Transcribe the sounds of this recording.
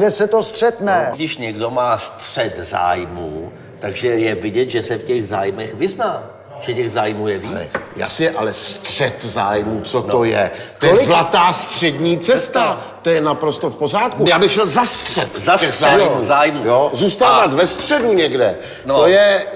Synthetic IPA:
ʒɛsɛt̪ost̪r̥ɛt̪nɛɡdɪʃɲɛɡdomaːst̪r̥ɛt̪za̰ːjmuː | t̪aɡʒɛjɛvɪɟɛt̪ʒɛsɛfcɛɣzaːjmɛxvɪznaː | ʒ̥ɛcɛɣzaːjmuːjɛviːɛ̰t͡sja̰ːsɪjɛʔalɛst̪r̥ɛt̪zaːjmuːt͡sot̪ojɛt̪ojoɛlɪzlat̪aːst̪r̝̥ɛdɲiːt͡sɛst̪at̪ojɛnapɾo̞st̪o̞fpozaːt̪kujaːbɪxt͡ʃɛlzast̪r̥ɛt̪aɛxzaːjmuzaːjmujozuːst̪aːvat̪vɛst̪r̝̥ɛduɲɛɡdɛ | nojɛ

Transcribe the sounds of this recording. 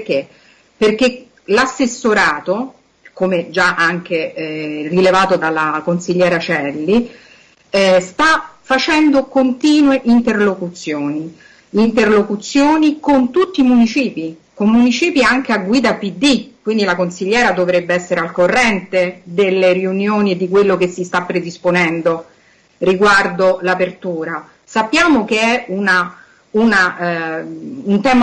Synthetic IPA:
ke | perk̟e | lasːesːoɾaːt̪o | komed͡ʒaʔaŋk̟erilevaːt̪od̪alːakonsiʎːɛːɾat͡ʃɛlːi | st̪afat͡ʃɛnd̪okont̪iːnweʔint̪erlokut̪sjoːniː | nt̪erlokut̪sjoːnikont̪ut̪ːimunit͡ʃiːpikomːunit͡ʃiːpiaŋk̟eaɡːwiːd̪apid̪ːikːwind̪ilakonsiʎːɛːɾad̪ovɾebːeɛsːeɾealkorːɛnt̪ed̪elːeriunjoːnied̪ikwelːok̟esːist̪apːɾed̪isponɛnd̪o | riɡward̪olapert̪uːɾa | sapːjaːmok̟eɛuna | una | unt̪ɛːm

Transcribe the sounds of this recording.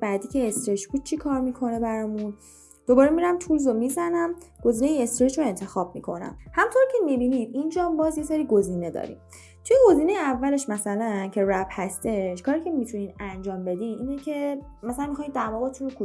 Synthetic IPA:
bæd̪iːcʰeest̪ɾet͡ʃb̥uːd̪̥̚t͡ʃʰikʰɒːɾmikʰo̞nebæɾɒmun | d̪̥obɒːɾemiɾæmt̪ʰulzomizænæmɡ̥o̞ziːnejeest̪ɾet͡ʃɾoe̞nt̪ʰe̞xɒːb̚mḭkʰo̞næ̰mhæmt̪ʰoɾcʰe̞mibinid̪̚ind͡ʒɒːmbɒːzjeseɾiːɡo̞ziːne̞d̪ɒ̰ːɾḭm | t̪ʰujeɡo̞ziːne̞jeævːæle̞ʃmæsælæncʰe̞ræbhæst̪e̞ʃkʰɒːɾicʰe̞mit̪ʰuniːnænd͡ʒɒːmbe̞d̪iniːnecʰe̞mæsælænmixɒːj̪d̪æɾmɒːɣet̪ʰunokʰu

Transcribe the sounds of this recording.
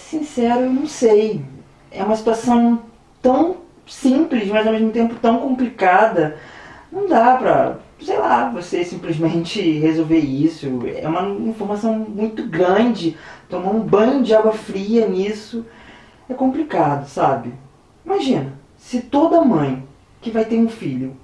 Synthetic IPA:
sĩsɛɾʊwnɐ̃w̃sej | ɛ̰ũmɐsi̥t̪uasɐ̃w̃ | t̪ɐ̃w̃ | sĩplɪzmɐzawmezmʊt̪ẽmpʊt̪ɐ̃w̃kõmplikad̪ɐnɐ̃w̃d̪apɾɐ̰sejlavosesĩplɪzmẽnt͡ʃɪhezowveɾisʊɛ̰ũmɐĩfoɾmasɐ̃w̃mũj̃t̪ʊɡɾɐ̃d͡ʒɪt̪õmãũbɐ̃j̃d͡ʒɪaɡwɐfɾiɐnisʊ | ɛkõmplikad̪ʊsabɪ | imaʒĩnɐ | sɪt̪od̪ɐmɐ̃j̃ | kɪvajt̪eɾũfiʎʊ

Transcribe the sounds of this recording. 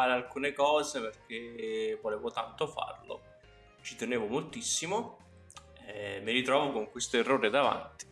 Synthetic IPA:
aːɾealkuːnekɔːzeperk̟evoleːvot̪ant̪ofa̰rlo̰ | t͡ʃit̪eneːvomolt̪isːimo | ɛmːiɾit̪ɾɔːvokoŋkwest̪oerːoːɾed̪ava̰nt̪i̥

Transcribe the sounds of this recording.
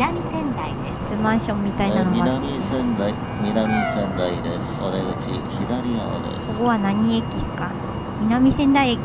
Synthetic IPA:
amʲisẽnd̪aid̪est͡sɨmãɰ̃ɕõ̞mmːit̪ainanoβaamʲisẽnd̪ai | mʲinamʲisẽnd̪aid̪esɨ̥aɾeɯt͡ɕḭçid̪aɾʲia̰o̰d̪ḛkso̥ɡoβanaɲ̟iekʲisɨ̥ka | mʲinamʲisẽ̞nd̪aiek

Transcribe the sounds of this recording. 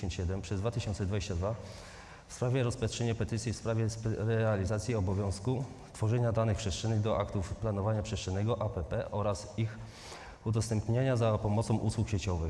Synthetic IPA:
ɔnt͡ɕɕɛd̪ɛmpʂɛzd̪vat̪ɘɕɔnt̪sɛd̪vad͡ʑeɕt͡ɕad̪va | fspɾavʲjɛɾɔspatʂɛɲɛpɛt̪ɘt̪sʲjifspɾavʲjɛspɾɛalʲizat̪sʲjiɔbɔvʲjɔ̃w̃sku | st̪fɔʐɛɲad̪anɘxpʂɛstʂɛnːɘɣd̪ɔʔakt̪ufplanɔvaɲapʂɛstʂɛnːɛɡɔʔapɛpɛʔɔɾasix | ud̪ɔst̪ɛmpɲaɲazapɔmɔt̪sɔ̃w̃ʔuswukɕet͡ɕɔvɘx

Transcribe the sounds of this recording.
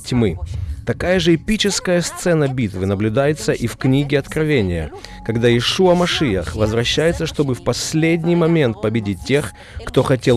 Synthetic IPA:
tʲmɨt̪ɐkajəʐɨɪpʲit͡ɕɪskəjəst̪sɛnəbʲit̪vɨnəblʲʉd̪ajɪt̪səʔifknʲiɡʲɪɐt̪kɾɐvʲenʲɪjə̰kɐɡd̪ajɪʂuɐmɐʂɨjə̰xvəzvɾɐɕːæjɪt̪səʂt̪o̞bɨfpɐsʲlʲedʲnʲɪjmɐmʲe̞nt̪̚pəbʲɪdʲit̚ʲtʲːe̞x | kt̪o̞xɐtʲe

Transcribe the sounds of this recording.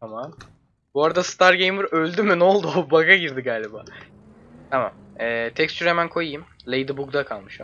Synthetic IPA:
aman | buaɾad̪asɨ̥t̪ʰaɾɟejmɯɾø̞lʲd̪ymyno̞lˠd̪ubaɡaɟiɾd̪iɡaːlʲibaː | t̪ʰama̰m | ɛːt̪ʰɛkst͡ʃyɾemænkʰo̞jɯjɯmlʲejd̪ɯbuɡ̚d̪akʰalˠmɯʃo̰

